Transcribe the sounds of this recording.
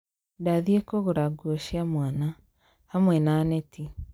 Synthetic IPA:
daðiekoɣoɾaɡuoʃamwana | hamwɛnaːnɛti

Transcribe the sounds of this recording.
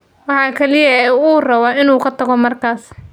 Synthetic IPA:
wɑħɑːkʰɐlɪjɐɛːuːrɐwaɪnuːkʰɐt̪ʰɐɣɔmɐrkʰaːs

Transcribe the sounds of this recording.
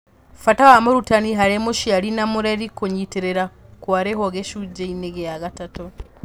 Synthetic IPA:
fatawamoɾutaniɦaɾemoʃiaɾinamuɾeɾikoɲiteɾeɾakwaɾeɦoɡeʃud͡ʒeineɡejaɣatato

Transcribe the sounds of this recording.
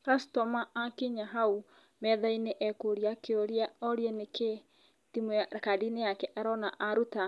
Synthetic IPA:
ɾastɔmaːkeɲaɦau | mɛðaineʔɛkoɾiakeoɾiaɔɾjɛneke | timkadinejakɛʔɛɾɔnaʔaɾuta

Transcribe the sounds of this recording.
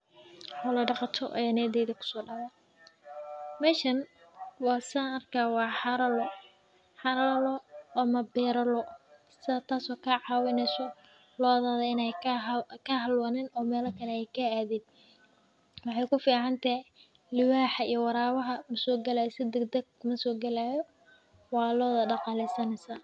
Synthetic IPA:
ɔlɐɖɑqɑt̪ʰɔ̰ʔɛnɛd̪ɛːðɐkʰʊ̥sɔːɖɑwa | mɛːʃɐn | wɑːsaɐrkʰaːwɑːħɑɾɐlɔ | ħɑɾɐlɔːmɐbɛːɾɐlɔsat̪ʰaːsɔːkʰɐʕɑːwɪnɛsɔ | lɔːðaːðɐɪnɛjkʰɐɦɐlwɐnɛnɔːmɛːlɐkʰɐlɛɛjkʰɐaːðɛːd̪̚ | wɑħɑjkʊfiːʕɑnt̪ʰɐhɪ | lɪwaːħɐijɔwɑɾaːwɐɦɐmɐsɔːɡɐlaːjsɪd̪ɐɡd̪ɐɡmɐsɔːɡɐlaːjɔ | wɑːlɔːðɐɖɑqɑlɛsɐnɛsaː

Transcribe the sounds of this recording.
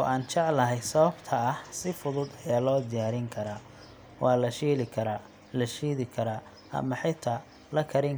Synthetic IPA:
ɔ̰ːʔaːnt͡ʃɐʕlɐɦɛjsɐβɐbt̪ʰɐɐhsɪfʊðʊd̪ɐjaːlɔːd̪ɪjaːɾɪŋkʰɐɾaː | wɑːlɐʃiːlɪkʰɐɾa | lɐʃiːðɪkʰɐɾaː | ʔɐ̰mɐħɪt̪ʰɐ | lɐkʰɐɾɪŋ

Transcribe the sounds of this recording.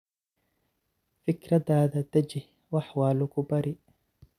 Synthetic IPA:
fɪkɾɐd̪aːd̪ɐd̪ɐd͡ʒɪh | wɐħwaːlʊkʊbɐɾɪ

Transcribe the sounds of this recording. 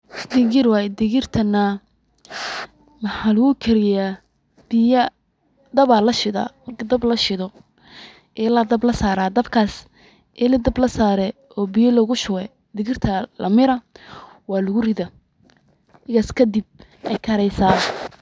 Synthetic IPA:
d̪ɪɣɪɾwɑːjɛd̪ɪɣɪrt̪ʰɐnːɐ | mɐħaːlɐɣʊkʰɛɾɪjaː | b̥ɪjɐ | d̪ɐβaːlɐʃɪða̰ːmɐrkʰɐd̪ɐblɐʃɪðɔ | ʔɛlɐd̪ɐblɐsaːɾaːd̪ɐbkʰaːs | ʔɛlɐd̪ɐblɐsaːɾɛ | ɔːbɪjɐlɔɣʊʃʊwɛ | d̪ɪɣɪrt̪ʰɐlɐ̰mɪɾɐ | wɑːlʊɣʊrɪðɐ | ɪɣɐskʰɐd̪ɪb̚ | ɛjkʰɐɾɛjsaː

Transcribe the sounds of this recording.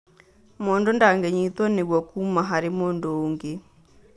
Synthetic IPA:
mɔːndɔndaŋɡɛɲit̪wɔneɡwɔkumaɦaɾemɔndɔoŋɡe

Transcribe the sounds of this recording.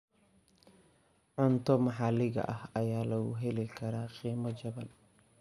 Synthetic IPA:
ʕʊnt̪ʰɔmɑħɑlɪɣɐ̰ʔɐhɐjaːlɐɣʊ̰ɦɛlɪkʰɐɾaːqiːmɐt͡ʃɐβɐn

